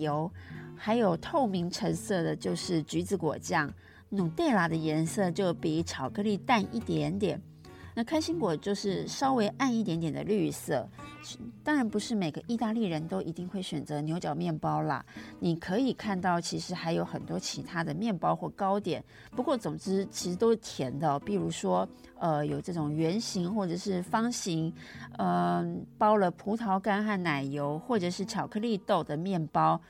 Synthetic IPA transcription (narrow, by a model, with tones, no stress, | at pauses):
o˧˥ʊxa˧˥ɪjo˨˩ʊt̪ʰo˥˩ʊmi˧˥ŋʈ͡ʂʰə˧˥ŋsɤ˥˩d̪ə˩t͡ɕjo˥˧ʊʂɻ̩˥˩t͡ɕy˧˥t͡sɹ̩˧˥kwɔ̰˨˩t͡ɕjɑ˥ŋ | nu˨˩ŋt̪e˥˩ɪla˨˩d̪ə˧jɛ˧˥nsɤ˥˧t͡ɕjo˥˩ʊpi˨˩˥ʈ͡ʂʰɑ˨˩ʊkɤ˥˧li˥˧t̪a˥˧nḭ˥˩t̪jɛ˧˥nt̪jɛ̰˨˩n | na˥˩kʰa˥ɪɕi˧˥ŋkwɔ˨˩t͡ɕjo˥˧ʊʂɻ̩˥˩ʂɑ˥ʊwe˧˥ɪʔa˥˧ni˥˩t̪jɛ˧˥nt̪jɛ˨˩nd̪ə̰˦ly˥˩sɤ˥˩˥ | t̪ɑ˥ŋɻa˧˥npu˧˥ʂɻ̩˥˩me˨˩ɪɡə˦ʔi˥˧t̪a˥˧li˥˩ɻə˧˥nt̪o˥ʊʔi˧˥t̪i˥˧ŋxwe˥˩ɪɕɥɛ˨˩nt͡sɤ˧˦njo˧˥ʊt͡ɕjɑ˨˩ʊmjɛ˥˩npɑ˥ʊlə̰˨˩ni˨˩kʰɤ˧˥i˨˩kʰa˥˧nt̪ɑ˥˩ʊt͡ɕʰi˧˥ʂɻ̩˧˥xa˧˥ɪjo˧˥ʊxə˨˩nt̪wɔ˥t͡ɕʰi˧˥t̪ʰa˥d̪ə˨mjɛ˥˩npɑ˥ʊxwɔ˥˩kɑ˥ʊt̪jɛ˨˩˦n | pu˧˥kwɔ˥˩t͡sʊ˨˩ŋʈ͡ʂɻ̩˥t͡ɕʰi˧˥ʂɻ̩˧˥t̪o˥ʊt̪ʰjɛ˧˥nd̪ə˧pi˥˩ɻu˧˥ʂwɔ˥ | ə˧jo˨˩ʊʈ͡ʂɤ˥˩ʈ͡ʂʊ˨˩ŋɥɛ˧˥nɕi˧˥ŋxwɔ˥˩ʈ͡ʂɤ˨˩ʂɻ̩˥˩fɑ˥ŋɕi˧˥ŋə˧pɑ˥ʊlə˨pʰu˧˥t̪ʰɑ˧˥ʊka˥nxa˥˩nna˨˩ɪjo˧˥ʊxwɔ˥˩ʈ͡ʂɤ˨˩ʂɻ̩˥˩t͡ɕʰjɑ˨˩ʊkʰɤ˥˧li˥˧t̪o˥˩ʊd̪ə˩mjɛ˥˩npɑ˥ʊ